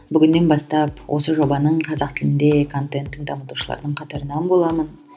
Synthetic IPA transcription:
bʏɡʲɪnːe̞nbɑst̪ɑpwʔo̞səʒo̞bɑnəɴqʰɑzɑq̚t̪ʰɪlɪnd̪ekʰo̞nt̪e̞nt̪ːɪŋd̪ɑmət̪uʃəlˠɑ̰ɾd̪əɴqʰɑt̪ɑɾənɑnbo̞lˠɑmən

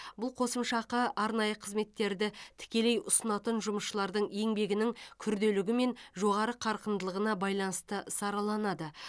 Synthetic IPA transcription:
bʊlˠqʰo̞səmʃɑqəʔɑɾnɑjəqʰəzme̞t̪ːe̞ɾd̪ɪt̪ʰɪ̥kʲe̞le̞jʊsənɑt̪ənʒʊməsʃəlˠɑɾd̪əɴe̞ŋbe̞ɡʲɪnɪŋkʲʰʏɾd̪e̞lɪɡʲɪme̞nʒo̞ʁɑɾəqʰɑɾqənd̪əlˠəʁənɑbɑjlˠɑnəst̪əsɑɾɑlˠɑnɑd̪ə

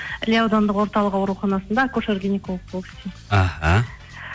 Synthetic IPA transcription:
lʲiawd̪ond̪əqwo̞ɾt̪ɑlˠəqɑwɾuχɑnɑsənd̪ɑkʰoʃarɡʲenʲikolˠəq̚bolˠɡɪ̥st̪e | aha̰

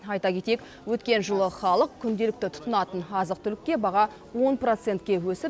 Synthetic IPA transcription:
ɑjt̪ɑkʲʰe̞t̪ek | wɵt̪kʲe̞nʒəlˠəχɑlˠəq̚kʲʰʏnd̪e̞lɪkt̪ɪt̪ʰʊ̥t̪ənɑt̪ənɑzəq̚t̪ʰʏlɪk̚ʲːe̞bɑʁɑ | wo̞npro̞t̪se̞nt̪̚kʲe̞wɵsɪ

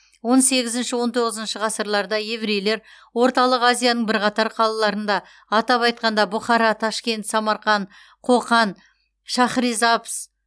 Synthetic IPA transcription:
wo̞nse̞ɡʲɪzɪnʃɪwo̞nt̪ʰo̞ʁəzənʃɪʁɑsəɾlˠɑɾd̪ɑjevɾejle̞ɾ | wo̞ɾt̪ɑlˠəqazijanəɴbɪɾqɑt̪ɑɾqʰɑlˠɑlˠɑɾənd̪ɑː | t̪ɑpɑjt̪̚qɑnd̪ɑbʊχɑɾɑt̪ʰɑʃkʲe̞nt̪sɑmɑɾχɑn | qʰo̞qɑn | ʃɑχɾizɑps

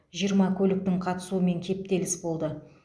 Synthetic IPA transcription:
ʒijəɾmɑkʲʰɵlɪk̚t̪ɪŋqʰɑt̪ə̥suəme̞ŋkʲʰe̞p̚t̪e̞lɪsbo̞lˠd̪ə

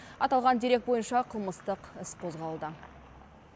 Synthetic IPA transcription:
ɑt̪ɑlˠʁɑnd̪eɾe̞k̪̚bo̞jənʃɑqʰəlˠməst̪əqɪsqʰo̞zʁɑlˠd̪ə

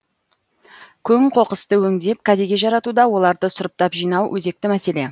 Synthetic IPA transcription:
kʲʰɵŋqʰo̞qəst̪əwɵŋd̪e̞p̚kʲʰæd̪eɡʲe̞ʒɑɾɑt̪ud̪ɑwo̞lˠɑɾd̪əsʊɾəp̚t̪ɑpʒijnɑwwʔɵze̞k̚t̪ɪmæse̞le̞

